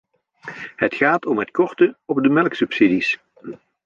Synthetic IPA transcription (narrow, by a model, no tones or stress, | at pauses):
ɦətχaːtɔmɦətkɔɹtəɔbdəmɛlˠksɵpsidis